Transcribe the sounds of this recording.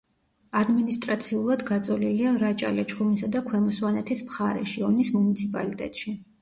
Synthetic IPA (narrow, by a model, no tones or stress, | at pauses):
ad̪minist̪ʼɾat̪sʰiulˠad̪ɡat̪sʼɔliliaɾat͡ʃʼa̰lɛt͡ʃχʰumisad̪akʰwɛmɔswanɛt̪ʰismχaɾɛʃiɔnismunit̪sʰipʼa̰lit̪ʼɛ̰t̪ʼʃi